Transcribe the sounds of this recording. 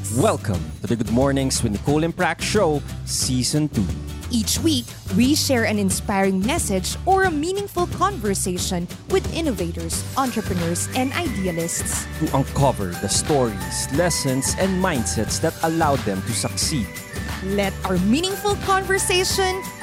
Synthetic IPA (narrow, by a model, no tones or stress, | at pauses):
wɛlkʰɐ̰̃mt̪ud̪ɐɡʊd̪̚mɔɹnɪ̃ŋswɛ̃nd̪əkʰolɪ̃npɹækʃoʊsiːsɔ̃nt̪ṵʔiːt͡ʃwik | wiʃɛɹɐ̃nɪ̃nspajɹɪ̃ŋmɛsɪd͡ʒɔɹɐmĩːnɪ̃ŋfʊlkʰɔ̃nvɛɹseɪʃɔ̃n | wɪd̪ɪ̃nɔvet̪ɔɹsʔãnt̪ɹɛpɹɛnɔɹsʔɛ̃nd̪ajd̪ialɪst̪st̪uʔɐ̃nkʰʌvɛ̰ɹðɐst̪ɔɹislɛsɔ̃nsɛ̃nd̪̚mãjnd̪sɛt̪sd̪ɐt̪ɐlawd̪ɛ̃mt̪usɐksid̪̚ | lɛt̪awəɹmĩnɪ̃ŋfʊlkʰɔ̃nvɛɹseɪʃɔ̃n